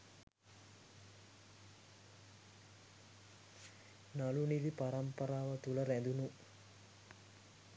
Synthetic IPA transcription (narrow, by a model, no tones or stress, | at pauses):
nɐlunid̪ipɐɾɐmpɐɾaːʋɐt̪ulɐɾɛnd̪unu